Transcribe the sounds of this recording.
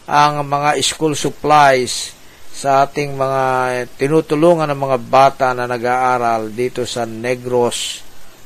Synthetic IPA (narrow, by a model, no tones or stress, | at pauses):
ʔɐŋmɐŋaʔɪskulsʊplajsː | ɐʔaːt̪ɪŋmɐŋat̪ɪnut̪ʊluŋɐnːɐŋmɐŋabaːt̪aʔnɐnɐɡaʔaːɾald̪iːt̪osɐnɛɡɾos